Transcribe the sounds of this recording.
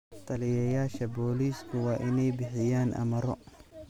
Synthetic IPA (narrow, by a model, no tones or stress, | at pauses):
t̪ʰɐlɪjɐjaːʃɐbɔːliːskʰʊwɑːʔɪnɛjbɪħɪjaːnʔɐ̰mɐɾɔ̰